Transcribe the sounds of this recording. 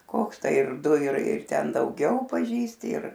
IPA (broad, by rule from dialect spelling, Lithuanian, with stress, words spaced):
ˈkoːks ˈtɐɪ ɪr ˈdʊ ɪr ɪr ˈtʲɛn dɐʊˈɡʲɛʊ pɐˈʒʲiːsʲtʲɪ ɪr